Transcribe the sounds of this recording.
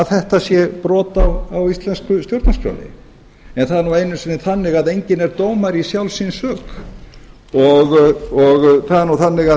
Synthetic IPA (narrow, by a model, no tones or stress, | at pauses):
aðθɛht̪asjɛpɾɔːt̪awawist̪lɛnskʏst̪jowɾt̪naskʰja̰wnɪ̰ | ɛnθaðɛɾnuwejnʏsɪnːɪθanːɪɣaðejɲcɪnɛɾt̪oːwmaɾisjawlsinsœːk | ɔɣɔɣθaðɛɾnuθanːɪɣa